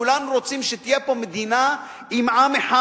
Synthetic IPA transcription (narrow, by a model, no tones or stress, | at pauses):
ulanuɾo̞t͡simʃet̪ijepo̞med̪ina | imʕameħa